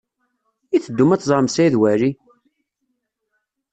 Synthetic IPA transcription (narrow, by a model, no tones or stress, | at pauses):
iθəd̪ːumæt͡sːzˤɑɾˤmsæiðwæɾi